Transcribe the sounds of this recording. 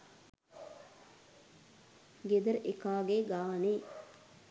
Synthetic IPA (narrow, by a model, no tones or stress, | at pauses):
ɡed̪əɾʔekaːɡeɡaːneː